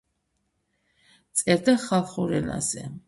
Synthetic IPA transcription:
t̪sʼɛɾd̪aχalˠχuɾɛna̰zɛ̰

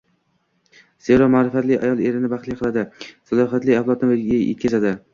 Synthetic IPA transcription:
z̥e̞ɾɒmaːɾɪfat̪lɪjʔa̰jɒlˠe̞ɾɪnɪbaχlˠijqʰɨlˠad̪ɪsalˠɒɦat̪lɪaflˠɒt̪nɪeɡʲaḛt̪̚kʰʲazad̪ɪ

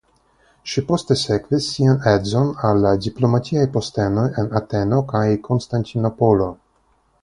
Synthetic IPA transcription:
ʃipost̪esekvisːianedzonalːad̪iplomat̪iajpost̪enojenat̪enokajkʰonst̪ant̪inopolo

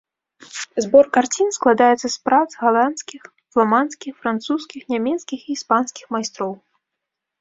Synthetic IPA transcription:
zbɔrkart͡sʲinsklˠad̪ajɛt̪sːɐspɾad̪zɣalˠanskʲix | flˠamanskʲixfɾant̪suskʲixnʲamʲɛt̪skʲixiːspanskʲixmajst̪ɾɔw

